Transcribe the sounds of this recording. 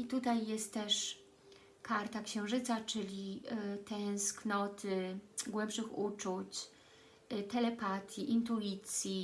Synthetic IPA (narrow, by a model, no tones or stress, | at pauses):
it̪ut̪ajːɛst̪ːɛʂ | kaɾt̪akɕɛ̃w̃ʐɘt̪sat͡ʂɘlʲit̪ɛ̃sknɔt̪ʰɘɡwɛmpʂɘxut͡ʂut͡ɕ | t̪ɛlɛpat̪ʰʲjiʔint̪̬uit̪sʲji